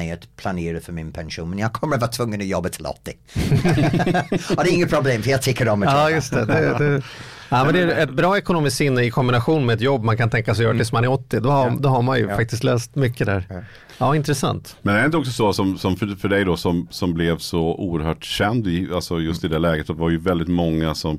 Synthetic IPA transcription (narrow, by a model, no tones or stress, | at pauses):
ɛət̪pʰlaneːɾəfəmɪnpʰɛnʃuːnmɛnjaɡkʰɔmːəɾat̪vɑːt̪ʰv̥ɵŋːənɔjɔbːat̪ʰɪlɔ̰t̪ːɪ | ɔd̪ɛɾɪŋːət̪pʰɾʊbleːmfəjɑt̪ʰɪkːəɾɔməɑːjɵst̪ɛ̰d̪ɛɛ | æːmɛnd̪ɛæɾɛt̪̚bɾɑːɛkʊnuːmɪst̪sɪnːəɪkʰɔmbɪnaɧuːnmɛɛt̪jɔbːmankʰant̪ʰɛŋkasɛjœːɾt̪ɪsɔmanæɾɔt̪ːɪd̪ɔhad̪ɔɦaɾmanjɵfak̚t̪ɪst̪løːst̪mʏkːəd̪ɛæ̰ɾ | ɑːɪnt̪ɾɛsa̰nt̪mɛnd̪ɛɾɪnt̪əɔks̬ɔsɔsɔmsɔmffœɖɛjd̪ɔsɔmsɔmblɛvsɔṵːəɾhœːʈɕɛnd̪ɪalsɔjɵst̪ɪd̪ɛlɛːɡət̪d̪ɛvaɾjɵvɛld̪ɪt̪mɔŋːasɔm